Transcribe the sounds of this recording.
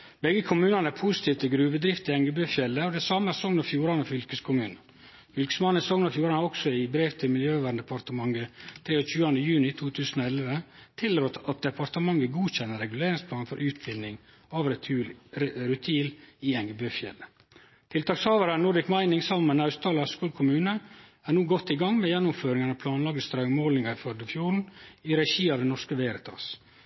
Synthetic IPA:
bɛɡəkʰʊmʉːnɑnəæɾpʰʊsɪ̥t̪ʰiːʋt̪ʰɪlɡɾʉːʋəd̪ɾɪft̪ɪɛŋɡəbøːfjɛlːəɔd̪ɛsɑməæsɔŋnɔfjuːɾɑnɔfʏlkəskʰʊmʉːnə | fʏlkə̥smɑnsɔŋnɔfjuːɾɑnɑɾɔksɔɪbɾeːʋt̪ʰɪlmɪljøːʋæːɖnd̪ɛpʰɑɾt̪əmɑŋɡət̪ʰɾeːɔçʉːɑnd̪əjʉːnɪt̪ʰuːt̪ʰʉːsn̩oɛlʋət̪ʰɪlɾoːt̪ɑt̪̚d̪ɛpɑɾt̪əmɑŋːəɡuːçɛnːəɾɛɡʉleːɾɪŋspʰlɑːnfɔɾʔʉːt̪̚bɪlnɪŋ | ɑːʋɾɛ | ɾʉt̪ʰiːliɛŋɡɛbøːfjɛ̰lːə | t̪ʰɪlt̪ɑːkshɑːʋɑɾænuɖ̪ɪkmæɪnɪŋsɑmənɑʉst̪ʰɑːlɑskuːlkʰʊmʉːnəæɳuːɡɔt̪ːɪɡɑŋmɛjɛnːʊmføːɾɪŋɑnɑpʰlɑːnlɑːɡəst̪ɾɑʉəmoːlnɪŋɑɪfœɖ̪əfjuːɾn̩iɾɛʃiːɑʋd̪ɛnɔʂkəʋeːɾət̪ʰɑ̰ːs

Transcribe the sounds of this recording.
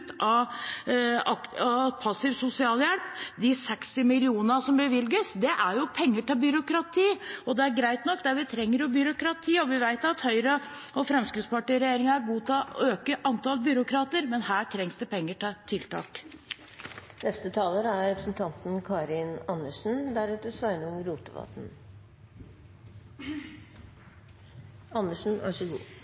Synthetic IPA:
t̪ɑ | ɑɑpʰɑsɪʋsʊsɪɑːljɛlpd̪ɪsɛkst̪ɪmɪlɪuːnəɑsɔmbəʋɪlɡəsd̪ɛʔæɾjʊpʰɛŋːəʈɪbʏɾʊkɾɑt̪ʰiːɔd̪ɛæɾɡɾæɪt̪nɔkːd̪æʋɪt̪ʰɾɛŋːəɾjʊbʏɾʊkɾɑt̪ʰiːɔʋɪʋæɪt̪ɑt̪hœʏɾə | ɔfɾɛmskɾɪt̪spɑʈɪːɾɛjeːɾɪŋɑæɾɡuːt̪ʰøːkəʔɑnt̪ɑlbʏɾʊkɾɑːt̪əɾmɛnhæːʈʰɾɛŋsd̪əpʰɛŋːəʈʰɑːt̪ʰɪlt̪ɑ̰ːk | nɛst̪ət̪ʰɑːləɾæɾɾɛpɾəsn̩t̪ʰɑnt̪n̩kʰɑːɾɪnɑnːəʂn̩d̪æɾɛt̪əsʋæɪnəʊŋəɾʊʈ̪əʋɑ̰t̪n̩ | ɑnːəʂn̩ɑ̰ʂəɡṵː

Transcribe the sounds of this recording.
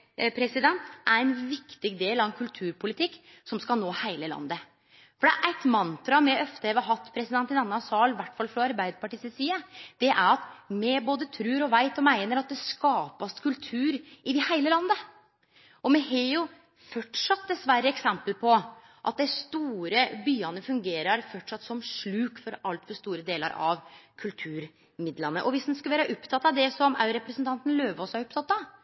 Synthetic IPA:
pʰɾɛsɪd̪ɛnt̪ʔæɾæɪnʋɪkt̪ɪɡd̪eːlɑŋkʰʉlt̪ʰʉːɾpʰʊlɪt̪ʰɪkː | sɔmskɑnoːhæɪləlɑ̰nd̪ə | fɔɖɛ̰ʔæɪt̪mɑnt̪ɾɑmɛʔœft̪əɛʋɑɾɦɑt̪ːpʰɾɛsɪd̪ɛnt̪ɪnɑnːɑsɑːlʋæʈːfɑlfɾɔɑɾbæɪd̪əpɑʈiːsɛsiːəd̪̥ɛʔæɾɑt̪mɛboːd̪ət̪ʰɾʉːɾɔʋæɪt̪ɔmæɪnəɾɑt̪̚d̪ɛskɑːpɑskʰʉlt̪ʰʉːɾɪʋɪhæɪləlɑnd̪ə | ɔmɛhɛjʊ | fɔʈʂɑt̪̚d̪ɛsʋæɾːəɛksɛmpəlpʰɔ | ʔɑ̰t̪̚d̪æɪst̪uːɾəbyːɑnəfʉŋɡeːɾɑɾfɔʈʂɑt̪ːsɔmʂɭʉːkfɔɾɑlt̪fɔʂt̪uːɾəd̪eːlə̰ɾʔɑ̰ʋkʰʉlt̪ʰʉːɾ | mɪd̪lɑnə̰ʔɔʋɪsd̪ɛnskʉlʋæːɾəʔʊpt̪ʰɑt̪ːɑd̪ɛsɔmɑ̰ʉɾɛpɾəsənt̪ɑnt̪ənløːʋəɔsɑɾʊpt̪ʰɑt̪ːɑ

